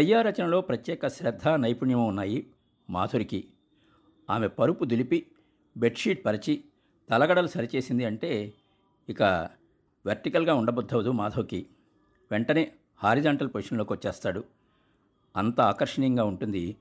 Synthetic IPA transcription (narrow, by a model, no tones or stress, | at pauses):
t̪ɐjːaːɾɐt͡ʃɐnɐlo̞ːpɾɐt̪jɛːkɐʃɾɐd̪ʱːanɐjpuɳjɐmuːnːaːji | maːd̪ʰʱoːɾiki | aːme̞pɐɾupud̪ulipi | be̞ʈʂiːʈ̚pɐɾit͡ʃi | t̪ɐlɐɡɐɽɐlusɐɾit͡ʃe̞ːsind̪iɐɳʈe̞ː | ikɐ | ʋeɾʈikɐlɡaːuɳɖɐbɔd̪ʱːɐʋɐd̪umaːd̪ʰʱoɾki | ʋeɳʈɐneː | haːɾid͡ʒaːɳʈɐlpoːiʂɐnlo̞ːkiʋot͡ʃːɛːst̪aːɽu | ɐnt̪ɐaːkɐɾʂɐɳijɐŋɡaːuɳʈund̪i